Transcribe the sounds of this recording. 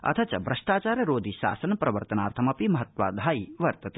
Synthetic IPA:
ɐ̰t̪ʰɐt͡ʃɐbɾɐʂʈaːt͡ʃaːɾɐɾoːd̪ʱiʃa̰ːsɐnpɾɐʋɐɾt̪ɐnaːɾt̪ʰɐmɐpimɐɦɐt̪ʋa̰ːd̪ʱaːiʋɐɾt̪ɐt̪e

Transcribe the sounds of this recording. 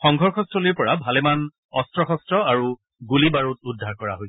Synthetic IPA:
xɔŋɡʱɔɹxʰɔstɹɔliɹpɔɹabʱaleman | ɔstɹɔxɔstɹɔaɹu | ɡulibaɹutudʱːaɹkɔɹa̰ɦoj

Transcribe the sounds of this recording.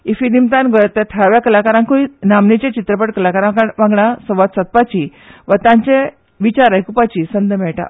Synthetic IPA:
ifinimt̪ãnɡʱɔjat̪ːjat̪ʰəɾaʋjakəlakaɾãŋkoinamnet͡ɕẽt͡ɕit̪ɾəpəʈkəlakaɾãʋãŋɡɳãsɔʋat̪sat̪̚pat͡ɕi | ʋət̪ãɲt͡ɕẽ | ʋit͡ɕaɾajkupat͡ɕiːsənd̪ʱəmɛɭʈa̰

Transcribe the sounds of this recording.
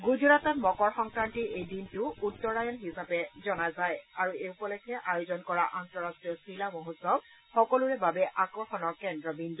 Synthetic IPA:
ɡuzuɹatɔtmɔkɔɹxɔŋkɹantiʔejdintʊutːɔɹajɔnɦisapɛzɔnazajaɹueupɔlɛkʰɛʔajozɔnkɔɹaʔantɔɹastɹijɔsilamɔɦutsɔb̚ | xɔkɔluɹɛbabɛʔakɹɔxɔnɔɹkɛndɹɔbindu

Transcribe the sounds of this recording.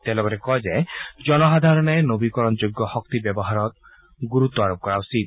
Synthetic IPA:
t̪elɔɡɔɾekɔed͡ʒed͡ʒɔnɔɦad̪ʱaɾɔnɔenobikɔɾɔnd͡ʒoɡːjɔhɔk̚t̪ibjɔbɔɦaɾɔt̪ | ɡuɾut̪ːɔaɾop̚kɔɾawsid̪

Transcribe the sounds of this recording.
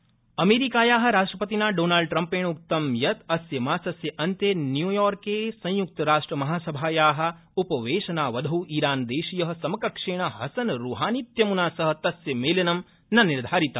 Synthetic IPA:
ɐmeːɾikaːjaːɦɐ̆ɾaːʂʈɾɐpɐt̪inaːɖoːnaːlɖ̚ʈɾɐmpeːɳuk̚t̪ɐmjɐt̪ɐsjɐmaːsɐsjɐʔɐnt̪eːnjuːjɔːɾkeːsɐ̃juk̚t̪ɐɾaːʂʈɾɐmɐɦaːsɐbʱaːjaːɦɐ̆ | upɐʋeːʃɐnaːʋɐd̪ʱɐwʔiːɾaːnd̪eːʃijɐɦɐ̆sɐmɐkɐkʂeːɳ̃ɐɦɐsɐnɾuːɦaːnit̪jɐmunaːsɐɦɐ̆t̪ɐsjɐmeːlɐnɐm | nɐniɾd̪ʱaːɾit̪ɐ

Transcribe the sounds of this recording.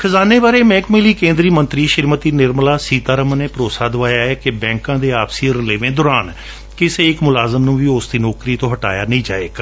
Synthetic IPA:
kʰəzaːneːbaːɾeːmɛ̃ːkmɪliːkẽːnd̪ɾiːmənt̪ɾiːʃɪɾmət̪iːnɪɾmlaːsiːt̪aːɾəmneːpɾoːsaːd̪ʊʋaːjaːɛːkebɛ̃ːŋkãːd̪eːaːpsiːəɾleːʋẽːd̪ɔːɾaːn | kɪseːɪkmʊlaːzəmnũːʋiːʊsd̪iːnɔːkɾiːt̪õːɦəʈa̰ːjaːnəĩːd͡ʒa̰ːḛːk

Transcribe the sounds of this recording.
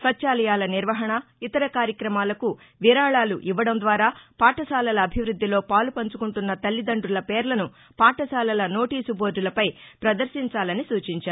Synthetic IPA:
sʋɐtːt͡ʃaːlɐjaːlɐniɾʋɐɦɐɳɐit̪ɐɾɐkaːɾjɐkɾɐmaːlɐku | ʋiɾaːɭaːlṵʔiʋːɐɽɐmd̪ʋaːɾaːpaːʈɐsaːlɐlɐːbʱiʋɾud̪ːilo̞ːpaːlupɐɲt͡ʃukuɳʈunːɐt̪ɐlːid̪ɐɳɖulɐpeːɾlɐnu | paːʈɐsaːlɐlɐno̞ːʈiːsuboːd͡ʒulɐpɐjpɾɐd̪ɐɾʃiɲt͡ʃaːlɐnisuːt͡ʃiɲt͡ʃaːɾ

